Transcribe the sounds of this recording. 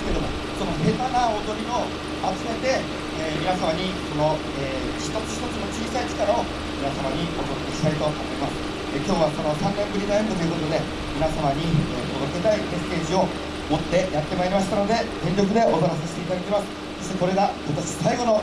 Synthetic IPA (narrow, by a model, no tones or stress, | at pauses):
ked̪omo | so̞no̞he̞t̪anaod̪o̞ɾʲio̞ | at͡sɨme̞t̪e̞ː | mʲinasamaɲ̟iko̞no̞ | eː | çi̥t̪o̞t͡sɨ̥çi̥t̪o̞t͡sɨno̞t͡ɕiːsait͡ɕi̥kaɾao | mʲinasamaɲ̟iot̪ok̪ok̪eɕi̥t̪ait̪o̞omo̞imasɨ̥ | ekʲo̞ːβasono̞sãnnẽ̞mbɯ̟ɾʲinoent̪okiɯɾɯ̟nːo̞d̪e̞ | mʲinasamaɲ̟ieːko̞no̞k̪et̪aime̞se̞ːʑio̞ | mo̞t̪ːe̞jat̪ːe̞maiɾʲimaɕi̥t̪ano̞d̪e̞t̪ẽnʲɾʲo̞k̬ɯ̟d̪e̞ʔo̞zoɾas̬eɕi̥t̪e̞it̪ad̪akʲimasɨ̥ | so̞ɕʲt̪e̞ko̞ɾe̞ɡahot̪oɕi̥saiɡo̞no̞